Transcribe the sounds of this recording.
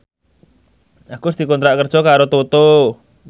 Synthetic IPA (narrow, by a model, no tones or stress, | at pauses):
ʔakus̬d̪̥i̤kɔnt̪ɾaʔkərd̥ʒ̥ɔkaɾot̪ot̪o